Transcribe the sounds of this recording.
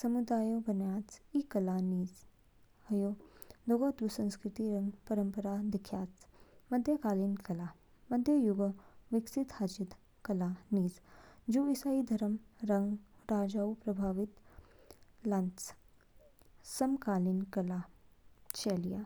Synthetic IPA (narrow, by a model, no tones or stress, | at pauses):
sɐmud̪aːjobɐnjaːt͡sikɐlaːniːz | ɐjoːd̪oɡad̪usɐ̃nskɾɪt̪iɾɐŋɡpɐɾəmpəɾad̪ɪkʰjaːt͡smɐd̪ʱjəkaːlinkɐla | mɐd̪ʱjəjuɡʋɪksit̪had͡ʒid̪ | kɐlaniːzd͡ʒuːɪsaːid̪ʱɐɾəmɾɐŋɡɾaːd͡ʒaːupɾɐbʱaːʋit̪ | lãnt͡s | sɐmkaːlinkɐla | t͡ʃeːlijaː